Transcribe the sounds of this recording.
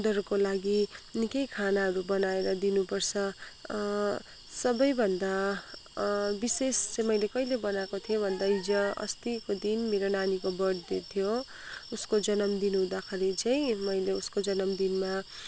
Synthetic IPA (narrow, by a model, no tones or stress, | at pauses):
d̪ʌrkolaɡinikʌjkʰanaɦʌɾubʌnaeɾʌd̪inupʌrt͡sʰʌ | sʌbʌjbʱʌnd̪a | bisest͡sẽmʌjlekʌjlebʌnakot̪ʰijobʱʌnd̪aid͡zʌʌ̰st̪ikod̪inmeɾonanikobʌɽd̪et̪ʰjo | uskod͡zʌnʌmd̪inuɦũd̪akʰeɾit͡saĩmʌjleuskod͡zʌnʌmd̪inma